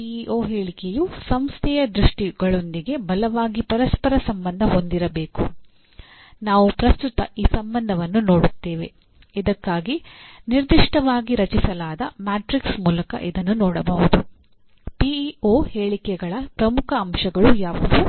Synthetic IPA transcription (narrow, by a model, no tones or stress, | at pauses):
iiʔoːɦeːɭikejusɐmst̪ʰɛjɐd̪ɾuʂʈiɡɐɭo̞nd̪iɡe̞bɐlɐʋaːɡipɐɾɐspɐɾɐsɐmbɐnd̪ʱɐɦo̞nd̪iɾɐbe̞ːku | naːʋupɾɐst̪ut̪ɐ̰iːsɐmbɐnd̪ʱɐʋɐnːuno̞ːɽut̪ːeːʋe̞ | id̪ɐkːaːɡiniɾd̪iʂʈɐʋaːɡiɾɐt͡ʃisɐlaːd̪ɐmaːʈɾiksmuːlɐkɐ̰ʔid̪ɐnːunɔːɽɐbɐɦud̪u | piioːheːɭikɛɡɐɭɐpɾɐmukʰɐːmʃɐɡɐɭujaːʋɐd̪u